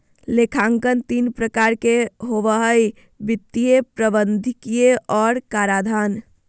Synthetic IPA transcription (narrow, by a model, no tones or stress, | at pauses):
lekʰaŋkənt̪inpɾəkaɾkeɦoʋəɦəj | bit̪ːijepɾəbənd̪ʱikijeʔɔːɾkaɾad̪ʱan